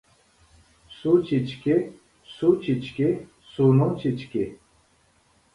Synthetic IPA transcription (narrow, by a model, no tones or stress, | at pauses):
sut͡ɕit͡ɕke | sut͡ɕit͡ɕke | sunot͡ɕit͡ɕke